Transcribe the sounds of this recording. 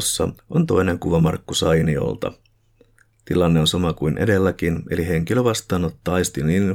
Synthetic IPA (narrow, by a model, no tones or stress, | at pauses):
sːɑ̰ʔo̞nt̪o̞jne̞ŋkuʋɑmɑrkːusɑjnio̞̰lt̪ɑ̰ | t̪ilɑnːe̞onsɑmɑkujnʔe̞̰de̞lːæk̟ine̞liɦe̞ŋkiløʋɑst̪ˑɑːno̞t̪ːɑɑjst̪inin